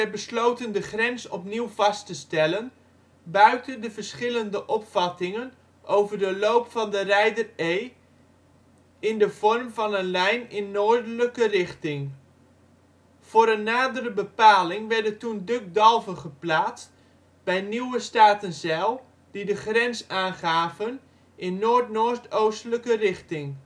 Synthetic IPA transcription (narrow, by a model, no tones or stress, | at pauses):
ɛbəslowtəndəχrɛnsɔpniwvɑstəstɛlən | bœɥtəndəvəɹsχɪləndəʔɔpfɑtɪŋən | ʔowvəɹdəlowpfɑndərɛjdərej | ɪndəv̥ɔrmvɑnənlɛjnɪnːoːɹdələkərɪχtɪŋ | v̥ʊːɾənːaːdərəbəpaːlɪŋʋɛɹdətundɵk̚dɑlˠvəχəplaːtst | bɛjniwəstaːtənzɛlˠ | didəχrɛnsaːnχaːvən | ʔɪnːoːɹtnoːtowstələkərɪχtɪŋ